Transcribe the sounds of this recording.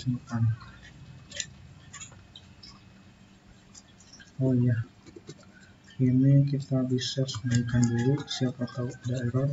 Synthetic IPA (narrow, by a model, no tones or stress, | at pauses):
iŋkan | ojah | inikit̪abisasəmaikanduɾisiapakadaeɾa